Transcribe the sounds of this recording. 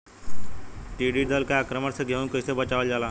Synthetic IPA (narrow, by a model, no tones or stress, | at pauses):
ʈiɖid̪əlkaaːkɾəməɽseɡʱeunkəsebət͡ʃaʋəld͡ʒala